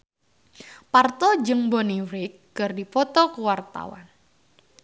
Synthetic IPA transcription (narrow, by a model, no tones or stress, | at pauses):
part̪ɔd͡ʒəŋboniɾikːɨrdipɔt̪ɔkuwart̪a̰wa̰n